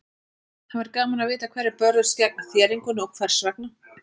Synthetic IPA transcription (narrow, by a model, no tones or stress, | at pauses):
hanvɛɾkaːmanavɪːt̪akʰv̥ɛːɾɪɾpœɾðʏscɛk̚naθjɛːɾiŋkʏnɔwkʰvɛɾ̥svak̚na